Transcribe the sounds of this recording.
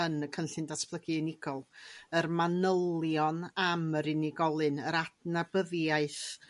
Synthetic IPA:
ənəkʰənɬɨndaspʰlˠəɡɨnɪɡ̥ɔlˠərmanəlˠjɔnaməɾɪnɪɡɔlˠɨnəɾadnabəðjaɨθ

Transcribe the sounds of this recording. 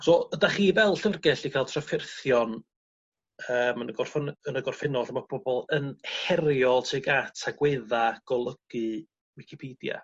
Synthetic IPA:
soədaχiːvɛlˠɬərɡɛɬikʰaːlˠtʰrafɪrθjɔn | əːmənəɡɔrfnənəɡɔrfɪnɔɬamab̥ɔbɔlˠənhɛrjɔlˠtʰiːɡatʰaɡweːðaɡ̥ɔlˠəɡ̥ɨ | wɪkʰipʰiːdja̰

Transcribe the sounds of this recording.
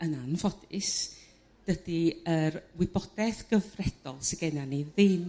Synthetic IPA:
ənanvɔdɪs | d̥əd̥iərwɪbɔdɛθɡ̥əvrɛd̥ɔlˠsɪɡɛnaniðɪm

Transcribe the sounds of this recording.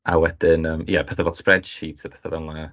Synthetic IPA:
a̰wɛd̥ɪnəːmjɛpʰɛθavɔd̥sprɛd̥ʃiːtʰapʰɛθavɛna

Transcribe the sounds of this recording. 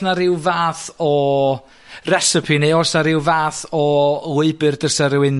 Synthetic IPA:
naɾɪwvaːθɔ | rɛsɪpʰineɔsnaɾɪwvaːθɔʊɨbɨrdərsəɾwɪn

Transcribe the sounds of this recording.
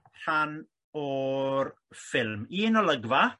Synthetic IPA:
r̥an | ɔɾ | fɪlˠmiːnɔləɡva

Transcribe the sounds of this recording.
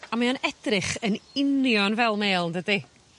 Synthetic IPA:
amaanɛd̥rɪχənɪnjɔnvɛlˠmeːlˠndədi

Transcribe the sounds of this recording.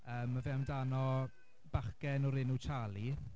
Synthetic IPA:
əːmːavɛmdanɔ | b̥aχkɛnɔɾɪnut͡ʃʰalˠi

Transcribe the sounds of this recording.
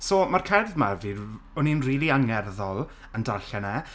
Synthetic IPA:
somarkʰɛrðmavi | ɔninriːlˠiaŋɛrðɔlˠ | əndarɬɛnɛ

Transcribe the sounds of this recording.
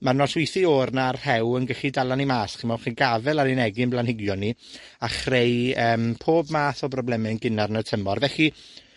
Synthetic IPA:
marnɔswɪjθioːrnarhɛwənɡəχidalˠanimaːsχinmawχiɡavɛlˠaɾɪnɛɡɪnblˠanhɪɡjɔni | aχrejəːmpʰoːbmaːθɔbrɔblɛmɪnɡɪnarnətʰəmɔrvɛχi

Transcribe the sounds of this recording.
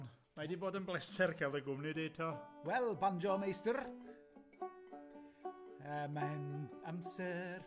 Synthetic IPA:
n | majdiboːdənblɛsɛrkʰɛlˠdəɡʊmnɪdeːtʰɔwɛlˠband͡ʒɔmejstər | əːmaɪnamsɛr

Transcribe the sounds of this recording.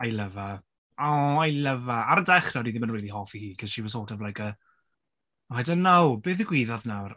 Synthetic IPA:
ajləva | ɔajləvaaɾdɛχrɔdiðimənwejdiɦɔːfihiːkʰəðʃivɔs̬oːdɔvlˠajkʰə | hɛdənːowbeːθiɡwiːðɔðnawr

